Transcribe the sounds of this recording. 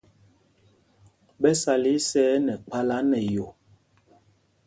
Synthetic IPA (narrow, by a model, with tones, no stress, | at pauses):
bɛ˦sa˨li˦sɛː˦nɛ˨k͡pa˦la˦nɛ˨jo˨